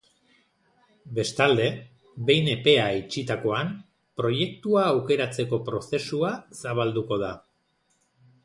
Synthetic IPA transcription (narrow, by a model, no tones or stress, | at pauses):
be̞st̪ald̪e̞ | be̞jne̞pe̞ait͡ʃit̪ako̞an | pɾo̞je̞k̚t̪uaːwke̞ɾat͡se̞ko̞pɾo̞se̞suasaβ̞ald̪uko̞ða